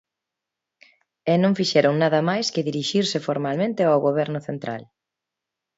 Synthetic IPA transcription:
ɛnõŋfiʃɛɾʊŋnaðɐmajskɪðiɾiʃiɾsɪfoɾmalmẽnt̪ɪawɣoβ̞ɛɾnʊθent̪ɾa̰l

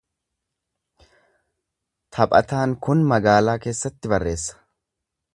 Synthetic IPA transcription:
t̪ʰɐpʼɐ̰t̪aːnkʊnmɐɡaːlaːke̞ːsːɐt̪ːɪbɐrːe̞ːsːɐ̥

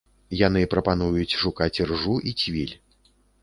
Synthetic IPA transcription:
jan̪ɨpɾɐpan̪ujut͡sʲʂukat͡sʲrʐuʔit͡sʲvʲilʲ

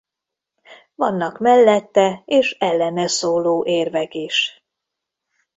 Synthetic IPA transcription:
vɒnːɒkmɛlːɛt̪ːɛeːʃɛlːɛnɛsoːloːʔeːrvɛkiʃ

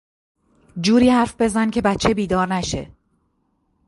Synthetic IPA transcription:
d͡ʒuːɾiːhæɾfbe̞zæncʰe̞bæt̪t͡ʃʰːebiːd̪ɒːɾnæʃe̞̰

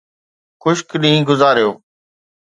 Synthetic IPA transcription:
xʊʃkɗĩːɡʊzaːɾjoː

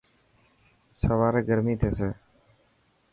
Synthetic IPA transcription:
səʋaːɾeːɡəɾmiːt̪ʰeːseː

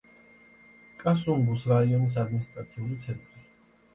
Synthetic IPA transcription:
kʼasuŋɡusɾaiɔnis̬ad̪minist̪ʼɾat̪sʰiulit̪sʰɛnt̪ʼɾi

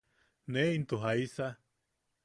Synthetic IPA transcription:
neint̪uɦaisa

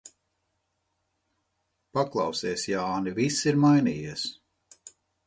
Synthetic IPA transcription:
paklˠɑwseːsjaaːnivisiɾmajniːjiɛs

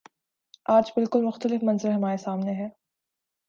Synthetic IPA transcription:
aːd͡ʒbɪlkʊlmʊxt̪əlɪfmɐ̃nzɪɾɦɐmaːɾesaːmneɦɛː

